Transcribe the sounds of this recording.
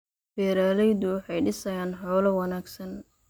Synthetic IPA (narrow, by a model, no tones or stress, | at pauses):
fɛːɾaːlɛjðʊħɑjɖɪsɐjaːnħɔːlɐwɑnaːɡsɐn